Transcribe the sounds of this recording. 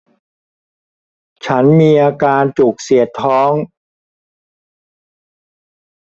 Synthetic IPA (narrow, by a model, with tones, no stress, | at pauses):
t͡ɕʰa˦˥nmiː˧ʔaː˧kaː˧nt͡ɕuː˨˩k̚si˨˩˦ət̪ʰːɔː˦˥ŋ